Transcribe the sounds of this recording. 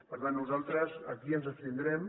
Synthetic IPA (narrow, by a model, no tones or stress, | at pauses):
pəɾt̪anːuzalˠt̪ɾəzə̰kiənzəst̪ind̪ɾɛm